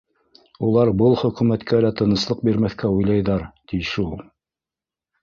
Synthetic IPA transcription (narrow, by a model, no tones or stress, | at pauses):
ulˠɑɾbɤlˠχɵ̆kʉmæt̪kʰælæt̪ɤ̆nɤ̆slˠɤq̚biɾmæθkæujlˠɑjðɑɾt̪iʃulˠ